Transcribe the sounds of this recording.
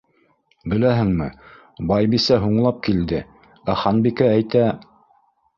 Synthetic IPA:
bɘ̆læɦɘ̆ŋmɘ | bɑjbisæɦuɴlˠɑp̚kild̪ɘ | æχɑnbikææjt̪æ

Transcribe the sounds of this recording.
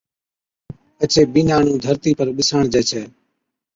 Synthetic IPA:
ət͡ʃeːɓiːnaːɳũːd̪ʱəɾt̪iːpəɾɓɪsəɳd͡ʒɛːt͡ʃʰɛː

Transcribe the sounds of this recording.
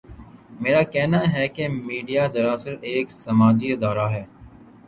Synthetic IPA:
meːɾaːkɛɦnaːɦɛːkemiːɖijaːd̪əɾaːsəɾeːksəmaːd͡ʒiːɪd̪aːɾaːɦɛː

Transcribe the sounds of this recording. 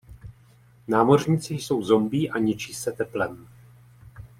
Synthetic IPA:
naːmo̞rɲiːt͡sɪjso̞wzo̞mbiːʔaɲɪt͡ʃiːsɛt̪ɛplɛm

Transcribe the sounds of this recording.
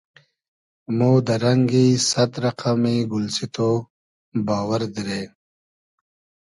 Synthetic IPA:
mud̪əɾaŋɡisat̪ɾaqʰamiɡʊlsit̪o | bɑːwəɾd̪iɾe

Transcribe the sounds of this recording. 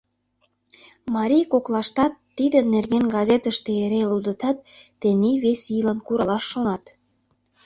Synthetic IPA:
mɑɾijkoklɑʃt̪ɑt̪ːid̪ə̆nerɣenɡɑzʲet̪əʃt̪eeɾelud̪ət̪ɑt̪ːeniβesijlɑnkuɾɑlɑʃːonɑt̪

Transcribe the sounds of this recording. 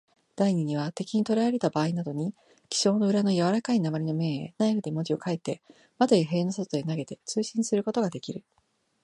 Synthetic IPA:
d̪̥aiɲ̟iɲ̟iβ̞at̪e̞kʲiɲ̟it̪o̞ɾaaɾe̞t̪abaːinad̪o̞ɲ̟i | kʲi̥ɕo̞ːno̞ɯ̟ɾano̞jaβaɾakainamaɾʲinome̞ːḛnaiɸɯ̟d̪emo̞d͡ʑio̞kaet̪ːe̞ | mat̪ajaɦe̞ːno̞sot̪oenaɡe̞t̪e̞t͡sɨːɕĩɰ̃sɨɾɯ̟ko̞t̪o̞ɡad̪e̞kʲiɾɯ̟

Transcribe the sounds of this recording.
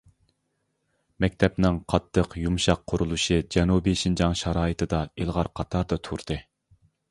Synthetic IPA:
mɛk̚ʲt̪ʰɛpnɪŋqʰɑt̪ʰːəqjumʃɑqʰːʊɾulˠuʃɨd͡ʒɛnubiʃind͡ʒɑŋʃɑɾɑːjɨt̪ʰɨd̪ɑelˠʁɑɾqʰɑt̪ʰɑɾd̪ɑt̪ʰuɾd̪̥ɨ

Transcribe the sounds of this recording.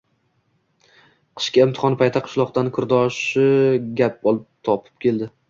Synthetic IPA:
qʰɨ̥ʃkʲaɪmt̪ɪ̥χɒnɪpʰajt̪ʰːaqʰɨ̥ʃlˠɒq̚d̪ankʰʊɾd̪ɒʃɪɡʲap̚ɒlˠɪp̚t̪ʰɒpʰɪ̥p̚kʲʰe̞lˠd̪ɪ

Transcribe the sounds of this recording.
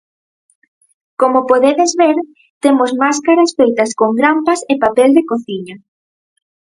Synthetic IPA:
komopoðeðezβeɾ | t̪emozmaskaɾɐsfejt̪ɐskoŋɡɾampɐsepapeld̪ekoθiɲɐ

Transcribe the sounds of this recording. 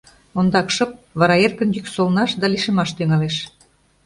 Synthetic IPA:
ond̪ɑkʃɤ̆p̚βɑɾɑerkə̆njyksolnɑʃd̪ɑliʃə̆mɑʃt̪yŋɑleʃ

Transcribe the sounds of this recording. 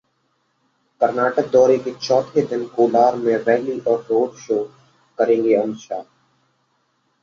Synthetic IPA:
kəɾnaːʈək̚d̪ɔːɾeket͡ʃɔːt̪ʰed̪ɪnkoːlaːɾmẽʋɛːliʔɔːɾːoːɖʃoː | kəɾẽːŋɡeə̃nʃaː

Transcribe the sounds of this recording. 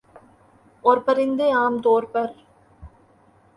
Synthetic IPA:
ɔɾpɐɾɪnd̪ɯaːmt̪oːrpɐɾ

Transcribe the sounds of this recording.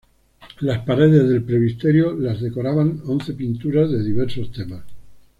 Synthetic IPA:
laspaɾe̞ð̞e̞zðe̞lpɾeβist̪eɾjolazðe̞ko̞ɾaβaŋonθe̞pint̪uɾazðe̞ðiβeɾso̞st̪e̞mas

